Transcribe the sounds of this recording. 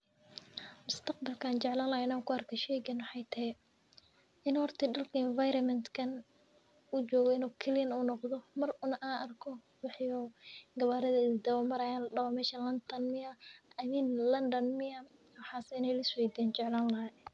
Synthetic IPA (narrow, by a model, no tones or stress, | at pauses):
mʊst̪ʰɐqbɐlkʰaːnt͡ʃɛʕlaːnlɐhɪnaːkʰʊɐrkʰɐʃɛːjɡɐnwɑħɑjt̪ʰɐɦɛ | ɪnhɔrt̪ʰɪɖɐlkʰɐɪnvajɾɐnmɛnt̪kʰɐn | ʊt͡ʃɔːɣɔɪnuːkʰɛlɪjɐnuːnɔqðɔmɐrʊnɐʔaːʔɐrkʰɔ | wɑħjɔɡɐβaːɾɐðɐɪðd̪ɐwɔmɐɾɐjaːnlɐɖɐwɔmɛːʃɐlɐnt̪ʰɐnmɪɐɐðinlɐnd̪ɐnmɪɐ | wħɑːsɪnɛjlɐswɛjd̪ɛːnt͡ʃɛʕlaːnlɐɦɐj